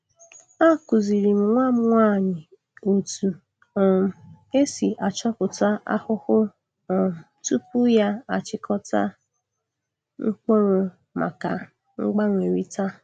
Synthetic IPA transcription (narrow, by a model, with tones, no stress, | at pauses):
a˦˨ku˨zi˨ɾi˨m̩˨ŋʷa˦m̩˦ŋʷa˦˨ɲɪ˨ | o˨tu˨ | ɔ˨m̩˨ | e˦si˨ʔa˨t͡ʃɔ˦kʊ˨ta˦a̰˦hʊ˦hʊ˦ | ɔ˨m̩˨tu˦pu˦ja˦a˨t͡ʃɪ˦kʰɔ˦ta̰˦ | ŋ̩˦k͡po˦ɾʊ˨ | ma̰˨ka˨ | ŋ͡m̩˦ɡ͡ba˦ŋʷe˨ɾi˦ta˦